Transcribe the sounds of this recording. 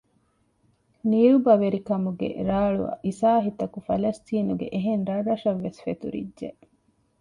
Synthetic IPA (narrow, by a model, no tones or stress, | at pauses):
niɾubɐʋeɾikɐmuɡḛɾaːɭṵɐ̰ʔisaːɦit̪ɐkufɐlɐst̪iːnuɡḛʔeɦenɾɐrːɐʃɐʋːesfet̪ṵɾḭdʒe